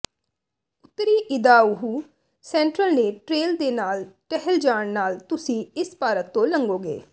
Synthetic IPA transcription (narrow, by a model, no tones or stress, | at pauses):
ʊt̪ːɾiːʔɪd̪aːʊɦuː | sɛ̃ːɳʈɾəlneːʈɾeːld̪eːnaːlʈɛɦəld͡ʒaːɳnaːlt̪ʊsĩːɪspaːɾət̪ːõːləŋɡoːɡḛː